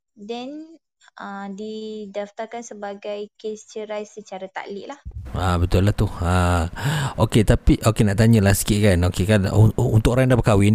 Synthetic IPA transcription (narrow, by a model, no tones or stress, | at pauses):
dɛn | ədidaft̪arkansəbaɡajkest͡ʃəɾajsət͡ʃaɾat̪a̰ʔlɪʔlahabət̪ʊlaht̪uha | oket̪apiʔokenaʔt̪aɲə̃lahsə̥kiʔ̪kanokekanṵnt̪ʊkoɾaŋdapəkawɪn